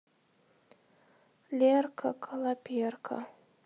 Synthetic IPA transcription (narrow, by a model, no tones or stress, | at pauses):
lʲerkʰa̰kʰɐlˠapʲerkʰa̰